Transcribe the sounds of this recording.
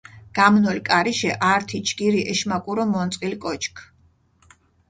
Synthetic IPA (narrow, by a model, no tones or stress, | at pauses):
ɡ̥amnɔlkʼaɾiʃɛʔaɾt̪ʰit͡ʃʰɡ̥iɾiʔɛʃmakʼuɾɔmɔnt̪sʼqʼilkʼɔt͡ʃʰʼkʰ